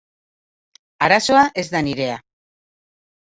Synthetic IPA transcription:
aɾaso̞aʔe̞zd̪aniɾe̞a

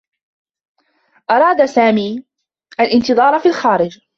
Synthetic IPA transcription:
ʔɑɾˤɑːd̪asaːmiː | ʔalʔɪnt̪ɨðˤɑːɾˤfiːlxaːɾɪd͡ʒ

